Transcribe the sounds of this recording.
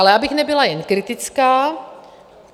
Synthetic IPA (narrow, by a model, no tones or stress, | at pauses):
alɛaːbɪxnɛbɪlajɛnkɾɪt̪ɪt͡skaː